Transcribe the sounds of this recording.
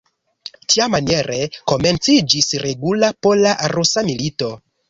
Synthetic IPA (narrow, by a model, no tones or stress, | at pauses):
tiamanie̞ɾʔeko̞me̞nt͡sid͡ʒisɾe̞ɡulapolaʔaɾusamilito̞